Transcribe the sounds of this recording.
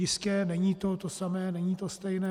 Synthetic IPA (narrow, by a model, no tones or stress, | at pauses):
ɪskɛːnɛɲiːt̪ot̪osamɛːnɛɲiːt̪o̞st̪ɛjnɛː